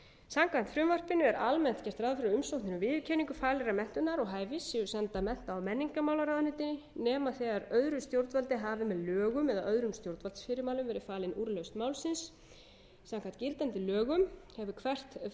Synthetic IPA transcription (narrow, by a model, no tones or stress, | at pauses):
samkant̪fɾʏmvar̥pɪnʏɛɾʔalmɛn̥t̪cɛr̥t̪ɾaːðfɪɾʏmsowh̪ɪnʏvɪːðʏcʰɛːniŋkʏfaːlɛɾamɛn̥t̪ʏnaɾɔɣɦaːjvɪsɪʏsɛnt̪amɛn̥t̪aːwmɛnːiŋkamawlaɾaːðnʏt̪ɪnɪnɛːmaθɛɣaɾœðɾʏst̪jowɾt̪valt̪ɪɦaːvɪmɛðlœːɣʏmɛðaʔœðɾʏmst̪jowɾt̪valsfɪɾɪɾmaːwlʏmvɛːɾɪfaːlɪnuːɾlœɥst̪mawlsɪns | samkʰant̪cɪlt̪ant̪ɪlœːɣʏmhɛvʏkʰvɛr̥t̪